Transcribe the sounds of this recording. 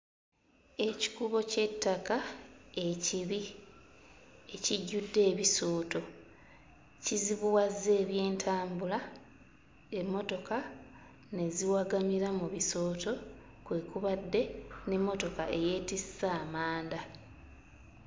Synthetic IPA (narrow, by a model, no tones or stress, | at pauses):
e̞ci̥kuβo̞ce̞tːakae̞ciβi | e̞ciɟːudːe̞ːβisoːto̞ | ciziβuwazːe̞ːβje̞ːntʰaːmbula | emːo̞to̞ka | ne̞ziwaɡamiɾamuβiso̞ːto̞ | kwe̞ːkuβadːe̞ne̞mːo̞to̞ka̰ʔe̞je̞ːtisːaːmaːnda